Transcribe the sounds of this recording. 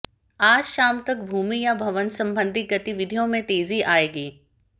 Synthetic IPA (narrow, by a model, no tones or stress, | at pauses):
aːd͡ʒʃaːmt̪ɐk̚bʱuːmijabʱɐʋənsɐ̃mbə̃nd̪ʱiɡɐt̪iʋɪd̪ʱijõmẽt̪eːziʔaːeːɡiː